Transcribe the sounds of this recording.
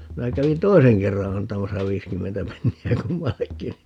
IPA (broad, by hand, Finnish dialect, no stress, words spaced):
minæ kæʋin toiseŋ kerːɑ ɑntɑmɑsɑ ʋiːskymːentæ penːiæ kumːɑlːekːi